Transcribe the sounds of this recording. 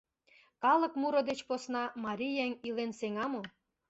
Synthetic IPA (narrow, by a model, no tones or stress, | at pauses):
kɑlɤ̆kmuɾŏd̪et͡ɕposnɑmɑɾʲijæŋilenseŋɑmo